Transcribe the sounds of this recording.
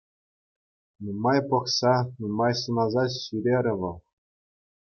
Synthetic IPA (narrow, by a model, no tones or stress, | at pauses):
numɑjpɤ̆χsɑnumɑjsɤ̆nɑzɑt͡ɕɕyɾʲeɾʲɘ̆ʋɤ̆lˠ